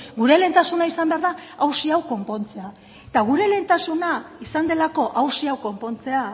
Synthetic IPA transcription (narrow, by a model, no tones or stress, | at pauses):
ɡuɾe̞le̞nt̪asunaisambe̞aɾðaawsiawko̞mpo̞nt͡se̞a | t̪aɣ̞uɾe̞le̞nt̪asunaisand̪e̞lako̞ʔawsiawko̞mpo̞nt͡se̞a